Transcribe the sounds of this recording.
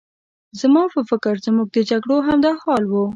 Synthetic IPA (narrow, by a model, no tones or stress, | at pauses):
zamɑpəfɪkɪɾzmuɡ̚d̪əd͡ʒaɡɽoɦamd̪ɑxɑlwu